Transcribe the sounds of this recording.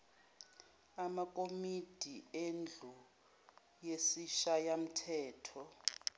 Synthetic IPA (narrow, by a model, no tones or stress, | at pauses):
amakʼomid̥ʱiend͡ɮʱu | jesiʃajam̩tʰɛːtʰɔ